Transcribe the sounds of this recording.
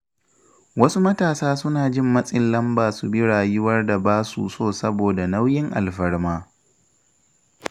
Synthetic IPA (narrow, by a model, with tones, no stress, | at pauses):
wɐ˦su˦mɐ˦taː˨saː˦sʊ˦naː˨d͡ʒɪ˦˨mːɐ˦sʼɪ˨nlɐ˦mbaː˨su˨bɪ˦ɽaː˨jɪ˦wɐ˦rda˨baː˦sṵ˨soː˦˨sɐ˦boː˨da˨na˦wjɪ˦ŋʔa̰˨lɸɐ˦ɽmaː˦